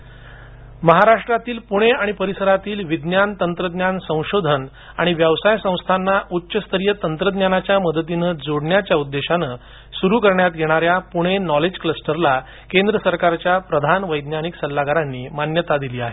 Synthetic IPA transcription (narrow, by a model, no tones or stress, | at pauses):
məɦaɾaʂʈɾat̪iːlpuɽ̃eaɽ̃ipəɾisəɾat̪iːlʋid̪njant̪ənt̪ɾəd̪ɲjansə̃w̃ɕod̪ʱən | aɽ̃iʋjəʋsajsə̃w̃st̪ʰanːaʔutːɕəst̪ʰəɾijət̪ənt̪ɾəd̪njanat͡ɕjaməd̪ət̪inəd͡zoɽɳjat͡ɕjaud̪ːeɕanəː | suɾukəɾɳjat̪ɡeɽ̃aɾjapuɽ̃enɔled͡ʑkləsʈəɾla | kend̪ɾəsəɾkaɾt͡ɕjapɾəd̪ʱanʋəjd̪njaniksəlːaɡaɾanːiːmanjət̪ad̪iliːaɦe